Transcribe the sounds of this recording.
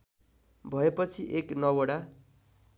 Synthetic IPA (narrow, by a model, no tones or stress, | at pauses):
bʱʌepʌt͡sʰiʔeknʌwʌɽa